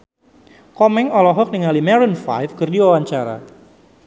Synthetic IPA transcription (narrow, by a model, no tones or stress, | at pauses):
kɔmɛŋɔlɔɦɔk̚niŋalimɛɾɔnfa̰jfkɨrdiwawaɲt͡ʃaɾa̰